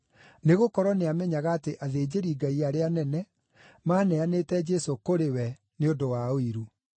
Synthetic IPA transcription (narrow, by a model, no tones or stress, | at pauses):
neɣokɔɾɔneamɛɲaɣaːteʔaðeːd͡ʑeɾiɡaiaɾeanɛnɛ | maːnɛanetɛd͡ʒɛsokoɾewɛ | neodowaoiɾu